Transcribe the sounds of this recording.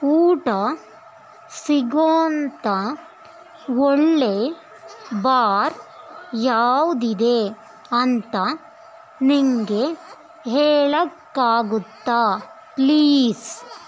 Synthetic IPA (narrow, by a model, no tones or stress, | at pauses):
uːʈɐ | siɡoːnt̪ɐ | ɔɭːe | baːɾjaːʋd̪id̪e | ɐnt̪ɐ | niŋɡe | ɦeːɭɐkːaːɡut̪ːaː | pliːs